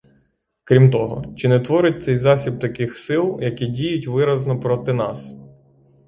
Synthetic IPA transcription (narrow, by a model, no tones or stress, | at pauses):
kɾʲimt̪ɔɦɔ̰t͡ʃɪnɛt̪ʋɔɾɪt̚ʲt̪sɛjzɑsʲib̚t̪ɐkɪxsɪlˠjɐkʲidʲijʊtʲʋɪɾɐznɔpɾɔt̪ɪnɑs